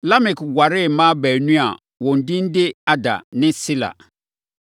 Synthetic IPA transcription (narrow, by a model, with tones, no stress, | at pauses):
la˦mɪ̃˨kwa˨ɾɪ˦˨mã˦bɛ˨nũ˦a̰˨ | wɔ̃˨n̩˨dɪ̃˦n̩˦de˦a˦da̰˨nɪ̃˦si˦la̰˨